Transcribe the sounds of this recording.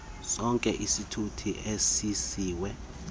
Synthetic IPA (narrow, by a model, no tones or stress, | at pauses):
sɔŋkʼɛʔisitʰutʰiʔesisiːwɛ